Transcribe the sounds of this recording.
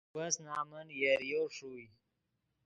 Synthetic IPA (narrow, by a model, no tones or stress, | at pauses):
wɐsnaːmənjeɾjoːʂuːj